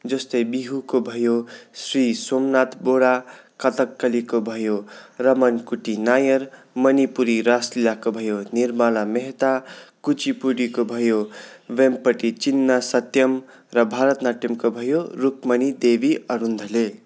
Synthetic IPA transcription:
d͡zʌst̪ʌjbiɦukobʱʌjosrisomnat̪boɽakʌt̪ʌkːʌlikobʱʌjorʌmʌnkuʈinajʌr | mʌnipuɾiɾaslijakobʱʌjonirmalameɦt̪akut͡sipuɽikobʱʌjowempʌʈit͡sinːasʌt̪jʌm | rʌbʱaɾʌt̪naʈjimkobʱʌjorukmʌnid̪ebiʌɾund̪ʱʌle

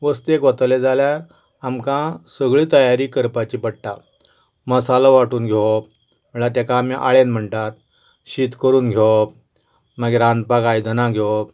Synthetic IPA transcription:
ʋəst̪ekʋət̪led͡zaljaɾ | amkãsəɡɭiːt̪əjaɾiːkəɾpat͡ɕiːpəɽʈa | məsalaʋaʈuːnɡʱewp̚ | m̤əɽɭat̪jakãːmiʔa̰ɭenm̤əɳʈ̪at̪̚ | ɕit̪kəɾuːnɡʱep̚ | maɡeɾand̪pakajd̪ənaɡʱep

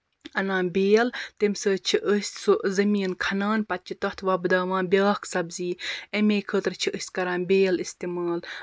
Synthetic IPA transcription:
ɐnaːnbʲeːlt̪imsəːt͡ʃʰiʔəsʲsuzɐmiːnkʰɐnaːnpɐt̪̚t͡ʃʰit̪ɐht̪ʰʋɐbɨd̪aːʋãːnbʲaːksɐbziːɐmeːkʰəːt̪ɾt͡ʃʰiəsʲkɐɾaːnbeːlist̪imaːl

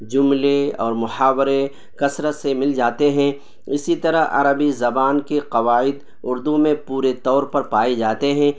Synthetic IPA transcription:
d͡ʒʊmleɔ̰ːɾmʊhaːwɾe | kɐsɾəsemɪld͡ʒaːt̪eɦɛ̃ː | ɪsit̪ɐɾaɦʔɐ̰ɾəbizɐbaːnkeqɐʋaːɪd̪ | ʊɾd̪ũmẽpuːɾet̪ɔːɾpɐɾpaːed͡ʒaːt̪eɦɛ̃ː

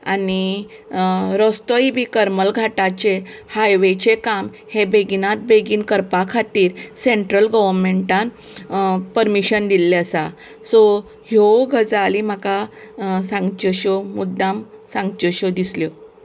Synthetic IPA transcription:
a̰ni | ɾɔst̪ɔibʱikəɾməlɡʱaʈat͡ɕehajʋet͡ɕekam | hebeɡnat̪̚beɡiːnkəɾpakʰat̪iːɾseɳʈɾəlɡɔʋəɾmeɳʈãn | pəɾmiɕənd̪ilːeəsa | sɔ | ɦjoɡʱəd͡zalim̤aka | sãŋɡt͡ɕɔɕɔmud̪ːamsãŋɡt͡ɕɔɕɔd̪isljɔ

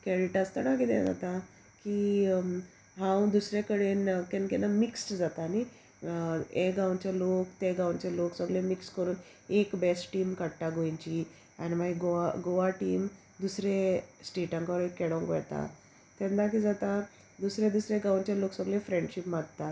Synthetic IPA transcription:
keɾiʈast̪anakid̪ɛd͡za̰t̪a | ki | ɦãwd̪usɾekəɽenkɛnkɛnamiksʈd͡zat̪ani | eɡãwnt͡ɕjalokt̪eɡãwnt͡ɕjaloksʋəɡlẽmikskəɾuːn | ekbesʈʈiːmkəɽʈːaɡojɲt͡ɕi | a̰nmaiɡoaɡoʋaʈiːm | d̪usɾesʈiʈãŋkɔɾekːeɽɔ̃ŋkʋɛjt̪a̰ | t̪ɛnːakid͡zat̪a | d̪usɾed̪usɾeɡãwnt͡ɕjaloksʋəɡlẽfɾẽɳɖɕipmad̪t̪a

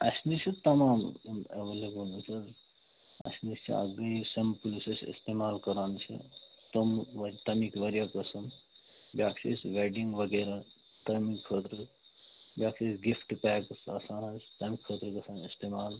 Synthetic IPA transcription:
ɐsnit͡ʃʰit̪ɐmaːmmeʋelebulisɐɾ | ɐ̰snist͡ʃʰḭa̰ɡɐjsɐmpulusɐsḭst̪emaːlkɐɾaːnt͡ʃʰɐ̰t̪umʋɐt̪ɐmikʋɐɾjakɐsɐm | bʲjaːkt͡ʃʰesʋeɖiŋɡʋɐɡeːɾa | t̪ɐmikʰət̪ɾɨ | bʲjaːkt͡ʃʰesɡifʈpɛːksɐsaːnɐst̪ɐmikʰət̪ɾɨkɐsaːnist̪eːmaːl

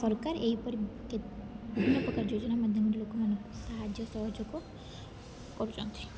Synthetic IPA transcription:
sɔɾkaɾeɦipɔɾkeinɔpɾɔkaɾjod͡ʒɔnaməd̪ʱjəmɔɾilokomanɔŋkusaɦad͡ʒjɔsɔɦɔd͡ʒɔko | kɔɾud͡ʒɔ̰nt̪ʰi

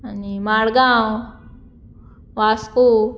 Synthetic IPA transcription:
animaːɽɡãː | ʋaːsku

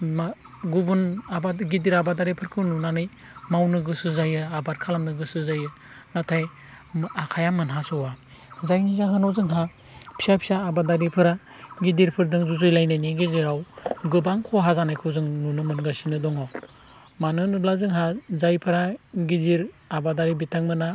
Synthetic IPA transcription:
ma | ɡubunabaɡidiɾabadaɾipʰɯɾkʰɯnunanɯj | mawnɯɡɯsɯzajɯabaɾkʰalamnɯɡɯsɯzajɯ | natʰaj | akʰajamɯnɦasɔwa | zajnizaɦɯnɔzɯŋɦa | pʰi̥japʰijaːbadaɾipʰɯɾa | ɡidiɾpʰɯɾdɯŋzuzɯjlajnajniɡiziɾawɡɯbaŋkʰɔɦazanajkʰɔzɯŋnunɯmɯnɡasinɯdɔŋɔw | manɯnɯlazɯŋɦazajpʰɯɾaɡidiɾ | abadaɾibitʰaŋmɯna

